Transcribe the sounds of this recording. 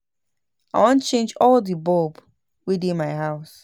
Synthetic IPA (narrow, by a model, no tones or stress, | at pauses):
aɪwɔ̃nt͡ʃẽnd͡ʒɔldibɔb | widĩnmaɪɦaʊs